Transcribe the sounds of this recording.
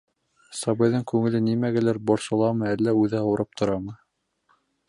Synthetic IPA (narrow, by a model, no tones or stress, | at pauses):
sɑβɤ̆jðɤŋkʉŋɘ̆lɘnimæɡɘ̆læɾboɾsŏlˠɑmɤælːæʉðɘhɑ̆wɾɤp̚t̪ʰŏɾɑmɤ